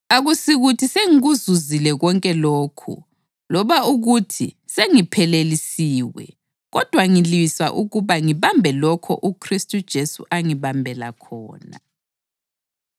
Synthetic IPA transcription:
aɣusiɣutʰiseŋiɣuzuzilɛɣɔŋkʼɛloːkʰṵ | lɔβauɣutʰi | seŋipʰɛlelisiːwɛ̰ | ɣɔd̥ʱwaŋiliiswa̰ʔuɣuβaŋiβambʱɛlɔkʰɔ̰ʔukʰristʼud̥ʒ̥ʱesṵʔaŋiβambʱɛla̰kʰɔ̰ːna̰

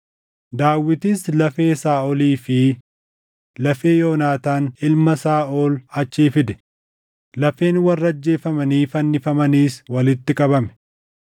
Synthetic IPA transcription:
d̪aːwːɪt̪islɐfe̞ːsaːɔliːfɪ | lɐfe̞ːjoːnaːt̪aːnɪlmɐsaːʔoːlɐt͡ʃːiːfɪd̪ɛ̥ | lɐfe̞ːnwɐrːɐɐd͡ʒːe̞ːfɐmɐniːfɐnːɪfɐmɐniːswɐlɪt̪ːɪkʼɐβɐmɛ̥

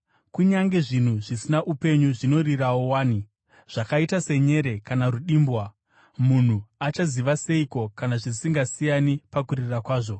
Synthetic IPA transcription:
kuɲaŋɡe̞ʐin̤uʐisinaʔupe̞ɲuʐino̞riɾawowaːni | ʐ̥akaitase̞ɲe̞ɾe̞kanaɾuɗiːmbwa | mun̤uat͡ʃaziʋase̞iko̞kanaʐisiŋɡasijanipakurirakwaːʐo̞

